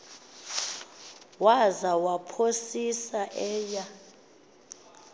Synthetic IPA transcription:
wazawapʰosisaʔɛːja

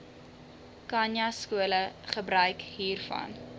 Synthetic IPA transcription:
kɐnjɐskuələχəbɾœɥkɦiːrfɐ̰n

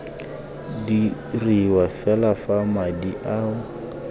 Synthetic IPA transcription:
di | riwafɛlafamadiʔaʊ

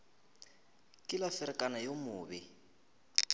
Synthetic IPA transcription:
kʼɪlafɪɾɪkʼanajomʊːbɪ

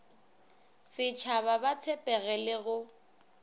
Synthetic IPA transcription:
sɪt͡ʃʰaβabat͡sʰɛpʼɛɣɛlɪɣʊ

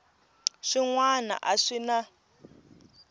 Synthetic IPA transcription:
ʂiŋwana̰ʔaʂina

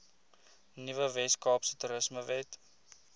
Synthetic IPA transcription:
nivəvɛskɑːpsə̥tuɾəsməvɛt

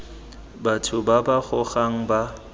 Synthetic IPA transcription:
batʰʊbabaɣʊɣaŋ̩ba

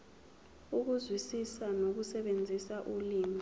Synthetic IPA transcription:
uk̬uzwisisanok̬usɛɓend͡zʱisaʔuliːmʱi

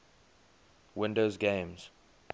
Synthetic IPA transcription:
wɪ̃ndoʊzɡẽɪmz̥

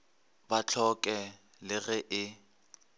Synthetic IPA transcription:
bat͡ɬʰɔkʼɛ | lɪɣɛʔɪ

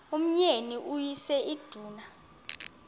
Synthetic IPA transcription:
um̩ɲeniʔujisɛid̥ʱuːna

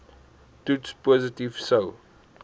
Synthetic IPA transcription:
tutspɔzətiv̥so

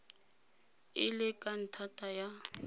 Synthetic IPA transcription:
ɪ̰lɪkʼan̩tʰatʼaja

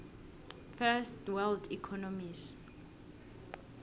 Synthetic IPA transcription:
fɛstwɛldikʰɔnɔmis

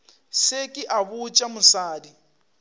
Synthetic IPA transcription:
sekʼɪʔaβut͡ʃʼamʊsaːdi

